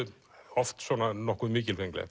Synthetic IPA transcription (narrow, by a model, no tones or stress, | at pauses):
ɔft̪sɔnanɔhkuðmiːcɪlfɛŋklɛ̰